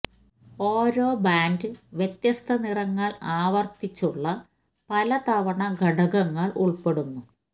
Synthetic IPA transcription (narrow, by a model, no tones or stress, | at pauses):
o̞ːɾo̞ːbaːndɨʋjet̪jɐst̪ʰɐnirɐŋːɐɭaːʋɐrt̪it͡ɕːuɭːɐ | pɐlɐt̪ɐʋɐɳɐɡʱɐɽɐɣɐŋːɐɭʔuɭpe̞ɽunːu